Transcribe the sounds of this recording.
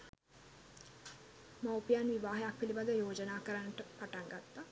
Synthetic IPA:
mawpijanʋiʋaːɦejak̚pilibad̪əjoːd͡ʒənaːkəɾanːəʈəpaʈaŋɡat̪ːa

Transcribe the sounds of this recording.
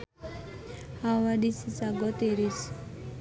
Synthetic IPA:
hawaɖisisaɡɔt̪eɾis

